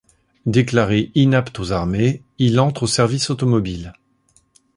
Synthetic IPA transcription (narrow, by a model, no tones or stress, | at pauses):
d̪eklaʁeʔinapt̪ozaʁme | ilɑ̃t̪χosɛʁvisot̪ɔmɔbil